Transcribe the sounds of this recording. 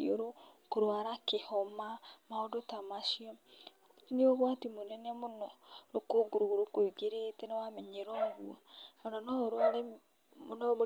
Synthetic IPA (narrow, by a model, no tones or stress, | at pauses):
oɾokoɾwaɾakehɔmamaodotamaʃiɔ | neoɣwatimonɛnɛmonɔɾokoɡoɾoɣoɾokoiɡeɾetɛnewamɛɲeɾɔɡṵaaɾanɔɾwale | monɔ